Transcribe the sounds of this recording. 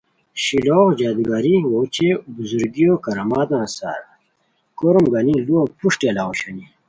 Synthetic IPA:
ɕiloːxd͡ʑaːd̪ɡaɾiwot͡ɕebuzuɾɡijoːkɐɾɐmaːd̪ãːsa̰ːɾ | koɾumɡɐniluopuʂʈɐlawoɕɐni

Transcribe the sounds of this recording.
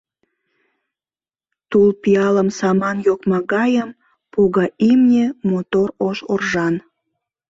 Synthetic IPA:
t̪ulpiɑləmsɑmɑnjokmɑɣɑjəm | poɣɑʔimnʲemot̪oroʃorʒɑn

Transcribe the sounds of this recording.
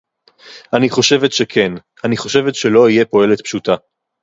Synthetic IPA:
ʔaniχo̞ʃe̞vetʃekʰe̞n | aniχo̞ʃe̞vetʃe̞lo̞ijepo̞e̞let̪pʃuta

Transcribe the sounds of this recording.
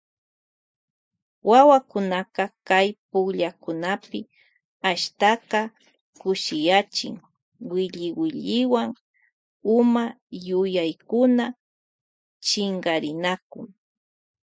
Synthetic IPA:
wawakʊnakakajpʊkʎakʊnapɪ | aʃt̪akɑ | kʊʃɪjat͡ʃɪ̰ŋ | wɪʎɪwɪʎɪwaŋ | ʊma | jʊjajkʊna | t͡ʃɪŋɡaɾɪnakʊŋ

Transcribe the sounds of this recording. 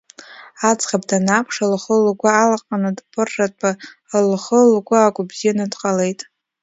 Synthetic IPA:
at͡sʼχabdanapʰʂalχəlɡʷaːlaqʼanɨdpʰʼɨrːatʼalχəlɡʷaːkʷʼabzijanɨdqʼale̞jtʼ

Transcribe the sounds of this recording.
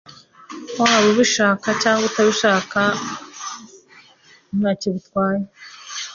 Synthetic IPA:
waβoβiʃaːkacaːŋɡutaβiʃaːka | umɲaːceβitwaːje

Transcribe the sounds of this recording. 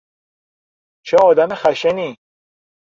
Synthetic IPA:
t͡ʃʰeɒːd̪æmexæʃeni

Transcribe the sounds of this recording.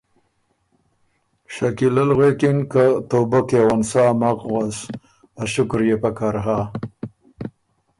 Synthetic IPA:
ʃakilalɣekinkat̪obakewansaːmaqɣas | aʃʊkɾjepakaɾɦa

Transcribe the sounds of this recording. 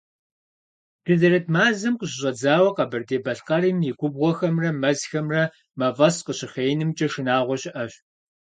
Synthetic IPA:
d̥ɨzɐrɐtʰmaːzɨmqəɕɪɕʼɐd͡zaːwɐqɐbɐrdeːbɐɬqɐɾiːmjɪɡʷʊbʁʷɔxɐmrɐmɐzxɐmrɐ | mɐvɐsqəɕɪχeːjnɨmt͡ʃʼɐʃɪnaːʁʷɔɕɪʔɐɕ

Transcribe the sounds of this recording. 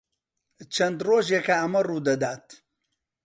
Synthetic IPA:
t͡ʃʰɐnd̪roːʒjekaɐmɐruːd̪ɐd̪aːt̪

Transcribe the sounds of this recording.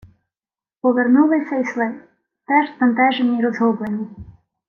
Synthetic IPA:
pɔʋernulˠɪsʲɐjslˠɛ | t̪ɛʒt̪ɐnt̪ɛʒenʲiiɾɔzɦɔblˠenʲːi

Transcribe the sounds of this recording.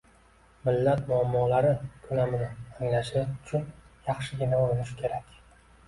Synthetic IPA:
mɪlːat̪mʊamːɒlaɾɪkʰʊnamɪnɪaŋlaʃɪʊt͡ʃʰʊnjɑχʃɪɡʲɪnaoɾɪnɪʃɪ̥kʲʰe̞ɾakʲ

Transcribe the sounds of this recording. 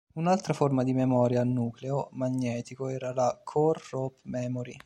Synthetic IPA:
unalt̪ɾaformad̪imemɔːɾjaːnːuːkleomaɲːɛːt̪ikoɛːɾalakʰorːopːmɛːmoɾi

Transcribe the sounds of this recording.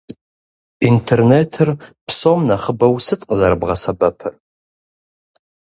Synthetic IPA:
intʰerneːtʰɨrpʰsomnɐχəbɐwsɨtʼqʼəzɐɾɨbʁɐsɐbɐpʰɨr

